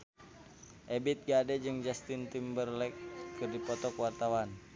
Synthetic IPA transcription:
ʔɛbit̪̚ɡadɛd͡ʒɨŋd͡ʒast̪int̪imbərlɛkʰːɨrdipɔt̪ɔkwart̪awan

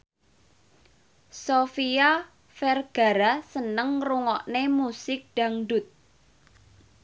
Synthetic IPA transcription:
sofia | fɛrɡ̥a̤ɾasənəŋruŋɔʔnemusɪk̚ɖ̥a̤ŋɖʊt̪̚

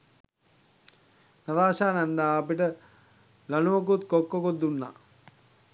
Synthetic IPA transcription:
nad̪aːsaːnɛnd̪aːpiʈə | lɐnuʋok̬ut̪kokːokot̪ːunːa̰

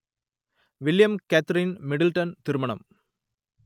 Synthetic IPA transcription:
ʋɪljɐmkæt̪ɾɪnmɪɽɪlʈɐnt̪ɪɾɯmɐɳɐ̰m

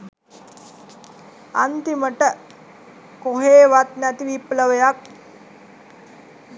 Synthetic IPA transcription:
ant̪iməʈə | koɦeːʋat̪næt̪iʋipləʋəjak̚

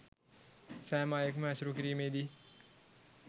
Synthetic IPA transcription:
sæːmaːjəkməæsuɾukiɾiːmeːd̪i

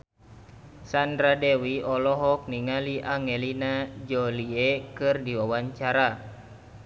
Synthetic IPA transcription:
sandɾadewiɔlɔɦɔk̚niŋaliʔaŋelinad͡ʒɔliekɨrdiwawaɲt͡ʃaɾa

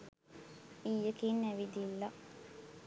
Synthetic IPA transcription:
iːjəkiːnæʋid̪ilːɐ

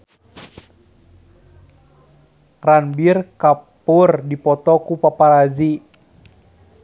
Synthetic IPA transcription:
ranbirkapʊrdipɔt̪ɔkupapaɾazi

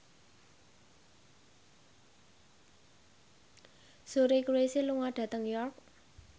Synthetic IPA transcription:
suɾekweseluŋaɖ̥a̤t̪əŋjɔrk̚

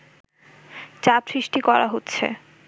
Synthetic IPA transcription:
t͡ɕapsɾiʃʈikɔɾaɦotːɕʰḛ

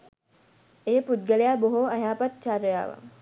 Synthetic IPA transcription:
ejəpud̪̚ɡəlejaːboɦoajaːpat̪̚t͡ʃaɾəja̰ːʋa̰

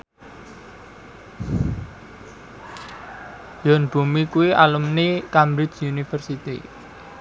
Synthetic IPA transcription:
jɔnb̥ṳmikuwiʔalumnikamɾɪt͡ʃunifərsit̪ḭ

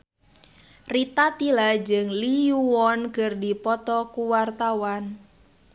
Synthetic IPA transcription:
rit̪at̪ilad͡ʒəŋliuwɔnkərdipɔt̪ɔkuwart̪awan

